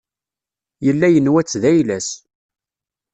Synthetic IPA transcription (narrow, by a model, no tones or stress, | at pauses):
jəlːæjənwæt͡sːðæjlæs